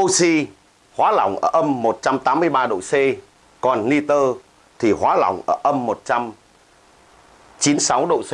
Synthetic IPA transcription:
ʔo˧si˧ | hwaː˨˦la̰˧˩wŋ͡mʔəː˧˩ʔə˧mːo˨˩t̚t͡ɕa˧mt̪aː˨˦mːɨ˧əjɓaː˧ɗo̰˧˨se˧ | kɔ˨˩nːi˧t̪əː˧ | t̪ʰi˨˩hwaː˨˦la̰˧˩wŋ͡mʔəː˧˩ʔə˧mːo˨˩t̚t͡ɕa˧m | t͡ɕi˨˦nsa˨˦wɗo̰˧˨se˧

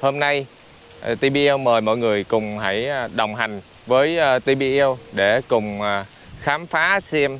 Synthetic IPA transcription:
hoː˧mna˧j | t̪i˧ɓi˧ɛ˧wməː˨˩jmɔ̰˧˨jŋɨ˨˩əjkʊ̰˨˩ŋ͡mha˧˩jɗə˨˩wŋ͡mɦa˨˩jŋ̟ | vəː˨˦jt̪i˧ɓi˧ʔɛ˧wɗe˧˩kʊ˨˩ŋ͡mː | xaː˨˦mfaː˨˦sɛ˧m

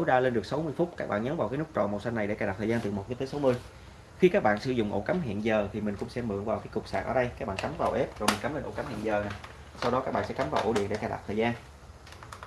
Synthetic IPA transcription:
ə˦wɗaː˧le˧nɗɨ˨˩ək̚sa˨˦wmɨ˧əjfʊ˦˥t̚kaː˦˥k̚ɓa̰ː˧˨nɲə˨˦nvaː˨wkaː˨˦jnɨ˦˥kt͡ɕɔ̰˧˨nmo̰˨˩w̚sa˧na˨˩jḛ˧˩kaː˧˩a˨˩t̪ʰːzaː˧t̪ɨ˨˩mo˨˩t̚vi˨˦t̪əː˨˦sa˨˦wmɨ˧əj | xi˧kaː˦˥k̚ɓa̰ː˧˨nsɨ̰˧zʊ̰˧˨ŋ͡mʔo̰˧˥ka˨˦mɦḭ˧˨ənzəː˨˩t̪ʰi˨˩mï˨˩ŋ̟kʊ̰˧˥ŋ͡msɛ˧mɨ̰˧˨əŋvaː˨˩wkaː˨˦jkʊ˨˩k͡p̚sa̰ː˨˩k̚ʔəː˧˩ɗə˧jkaː˦˥k̚ɓa̰ː˧˨nka˨˦mvaː˨˩wʔɛ˦˥p̚zo˨˩mi̟˨˩ka˨˦mle˧nʔo̰˧˩ka˨˦mhḭ˧˨nzəː˨˩na˨˩ | sa˧wɗɔ˨˦aː˦˥ɓa̰ː˧˨sɛ˧˥ka˨˦mvaː˨˩ʔo˧˩ɗḭ˧˨ənɗe˧˩kaː˧˩ɗa̰˨˩t̪ʰəː˨˩jzaː˧n

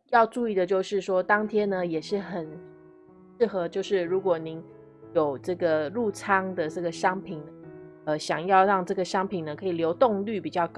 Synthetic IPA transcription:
jɑ˥˧ʊʈ͡ʂu˥˧i˥˩d̪ə˩t͡ɕjo˥˧ʊʂɻ̩˥˩ʂwɔ˥t̪ɑ˥ŋt̪ʰjɛ˥nə˨jɛ˨˩ʂɻ̩˥˩xə˨˩n | ʂɻ̩˥˩xɤ˧˦t͡ɕjo˥˧ʊʂɻ̩˥˩ɻu˧˥kwɔ˨˩ni˧˥ŋ | jo˨˩ʊʈ͡ʂɤ˥˩ɡə˩ɻu˥˩t͡sʰɑ˥ŋd̪ə˨ʈ͡ʂɤ˥˩ɡə˩ʂɑ˥ŋpʰi˨˩nnə˦ə˧˩ɕjɑ˨˩ŋjɑ˥˧ʊɻɑ˥˧ŋʈ͡ʂɤ˥˩ɡə˩ʂɑ˥ŋpʰi˨˩nə˦kʰɤ˧˥i˨˩ljo˧˥ʊt̪ʊ˥˧ŋly˥˩pi˨˩t͡ɕjɑ˥˩ʊk

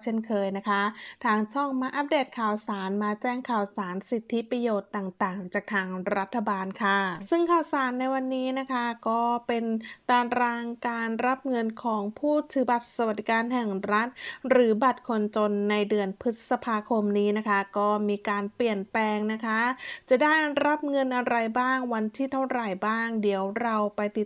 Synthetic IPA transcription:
t͡ɕʰe˥˩nkʰɤː˧jna˦˥kʰa˦˥t̪ʰaː˧ŋt͡ɕʰɔ˥˩ŋma˧˥ʔa˦˥p̚deː˨˩t̪̚kʰaː˨˩wsaː˩˦nmaː˧t͡ɕɛː˥˩ŋkʰaː˨˩wsaː˩˦nsi˨˩t̪ʰːi˦˥pɾa˧joː˨˩t̪ːaː˨˩ŋt̪aː˨˩ŋt͡ɕaː˨˩k̚t̪ʰaː˧ŋɾa˦˥t̪ʰːa˧baː˧nkʰa˥˩sɯ˥˩ŋkʰaː˨˩wsaː˩˦nːa˧jwa˧nːiː˦˥na˦˥kʰa˦˥kɔː˥˩pe˧nt̪aː˧nɾaː˧ŋkaː˧nɾa˦˥p̚ŋɤ˧nkʰɔː˩˦ŋpʰuː˥˩t̪ʰɯː˨˩˦ba˨˩t̪̚sa˧˩wa˨t̪̚d̪i˦˧kaː˧nɦɛ˨˩ŋɾa˦˥t̪̚ɾɯː˩˦ba˨˩t̪̚kʰo˧nt͡ɕo˧nːa˧jdɯ˧ənpʰɯ˦˥t̪̚sa˧pʰaː˧kʰo˧mniː˦˥na˦˥kʰa˦˥kɔː˥˩miː˧kaː˧npli˨˩ənplɛː˧ŋna˦˥kʰa˦˥t͡ɕa˨˩da˥˩jɾa˦˥p̚ŋɤ˧nʔa˧ɾa˧jbaː˥˩ŋwa˧nt̪ʰiː˥˩t̪ʰa˥˩wɾa˨˩jbaː˥˩ŋdi˩˦əwɾa˧wpa˧jt̪i˨˩t

